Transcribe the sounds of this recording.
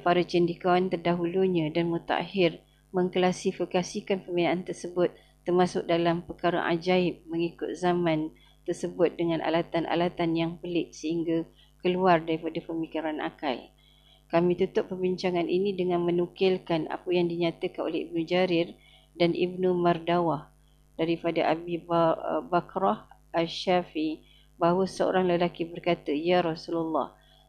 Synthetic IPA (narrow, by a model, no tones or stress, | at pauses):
paɾət͡ʃəndikawant̪ərdaɦuluɲãdanmut̪a̰a̰ɦɪr | məŋkəlasifikasikanpərminaʔːnt̪ərsəbʊt̪̚ːərmasʊk̚dalampəkaɾa̰ʔa̰d͡ʒaɪp̚məŋikʊt̪̚zamãn | t̪ərsəbʊt̪̚dəŋanʔa̰lat̪anʔa̰lat̪anjaŋpəlɪʔsəhiŋɡa | kəluardaɾipadapərmikiɾanʔa̰ka̰j | kamĩt̪ut̪ʊp̚pːərbiɲt͡ʃaŋanʔinĩdəŋanmənukɪlkana̰pəjaŋdiɲat̪əkanʔo̰lɛhḭb̚nud͡ʒaɾɪr | danʔḭbnumardawah | d̥aɾipadaʔabibbakɾɔhʔaʃafii | baɦwəsəo̰ɾaŋləlakibərkat̪əjaɾɔsulalːɑ̰h